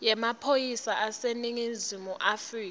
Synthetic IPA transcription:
jɛmapʰojisaʔaseniŋinzimuʔafriːk

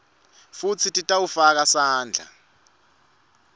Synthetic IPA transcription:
fut͡sʰitʼitʼawufak̬asaːnd͡ɮʱa̰

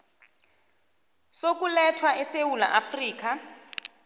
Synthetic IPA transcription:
sokulɛtʰwaʔɛsewula̰ʔafriːk̬a

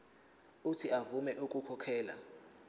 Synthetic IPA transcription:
utʰiavumɛʔukʼukʰɔkʰɛːla̰

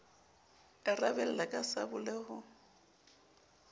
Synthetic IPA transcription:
ɪrabɛl̩lakʼasabʊlɛhʊ

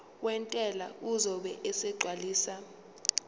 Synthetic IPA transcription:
wɛntʼɛla̰uzɔɓɛʔɛsɛɡ͡ǀʱwaliːsa

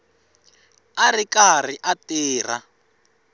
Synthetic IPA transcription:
arikar̤iʔateːr̤a

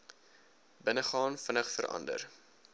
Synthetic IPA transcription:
bənəχɑːnfənəχfəɾʔɐ̰ndə̰r

